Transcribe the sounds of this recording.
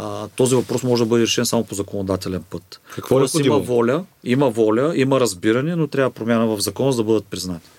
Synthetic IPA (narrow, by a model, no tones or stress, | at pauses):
t̪ɔzivɐpɾɔsmɔʒɛd̪ɐbɤd̪ɛɾɛʃɛnsamopozɐkonod̪at̪ɛlɛnpɤt̪kɐkvɔsimɐvɔlʲəimɐvɔlʲəimɐɾɐzbiɾɐnʲɛnot̪ɾʲavəpɾomʲjanəvɐvzɐkɔnozd̪ɐbɤd̪ət̪̚pɾiznat̪i̥